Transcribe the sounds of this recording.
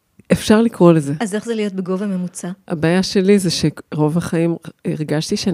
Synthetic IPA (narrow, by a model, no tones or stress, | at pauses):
efʃaʁlikʁo̞leze̞azeχzelijo̞t̪̚beɡo̞vame̞mut͡saha̰baːjaʃe̞lizeʃeʁo̞vaχaimiʁɡaʃt̪iʃea